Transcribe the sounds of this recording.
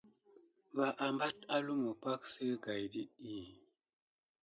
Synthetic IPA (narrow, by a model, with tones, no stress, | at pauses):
va˨ʔa˨mba˦ta˦lu˦mu˨pa˦k̚sɨ˦ɡa˨jdi˦i˦˨